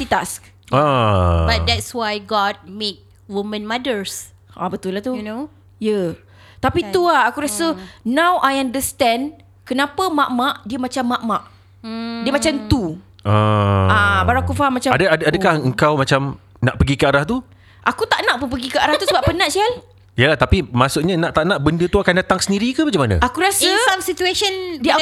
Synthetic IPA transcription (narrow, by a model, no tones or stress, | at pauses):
sit̪ask̚ | abad̪ɛtswajɡɔd̚met̚ | wumə̃nmadəɹs | ʔabət̪ulːaht̪uno | jə | t̪apit̪uaakuɾasənãwʔajãndəst̪ɛ̃n | kənãpəmãʔmãʔdiəmat͡ʃamːaʔmãʔ | diəmat͡ʃamt̪u | aabaɾakufaɦamːat͡ʃaadəadəaəkahəŋkawmat͡ʃam | na̰ʔpəɡikəaɾaht̪u | ʔakut̪aʔnaʔpəp̬əɡikəaɾaht̪usəbaʔpənãʔsal | jəlaht̪apimasʊʔɲanãʔt̪aʔnaʔbəndət̪uakandat̪aŋsəndiɾikəmat͡ʃamːanə̰akuɾasəmsitueʃəndiə